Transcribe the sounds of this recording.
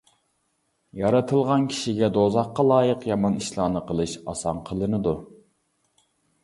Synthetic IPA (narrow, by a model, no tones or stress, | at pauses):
jɑɾɨt̪ʰɨlˠʁɑnkʲʰi̥ʃiɡʲɛd̪ozɑqːɑlˠɑːjəqjɑmɑniʃlˠɑːnɨqʰəlˠɨʃɑ̰sɑnqʰəlˠɨnɨd̪u